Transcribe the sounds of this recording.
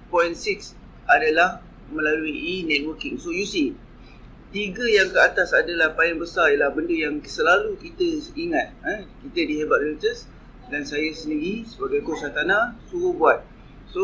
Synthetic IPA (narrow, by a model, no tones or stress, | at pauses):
pɔjnsiks | adalah | mə̃laluinɛt̪̚wəkɪŋsojusi | t̪iɡajaŋkəat̪asadalahpaɪŋbəsarijalahbəndəjaŋsəlalukit̪əiŋat̪̚əkit̪ədiɦebaʔ̚lət̪əs | dansajasəndiɾisəbaɡajkosat̪anãsuɾuhbuat̪̚ | so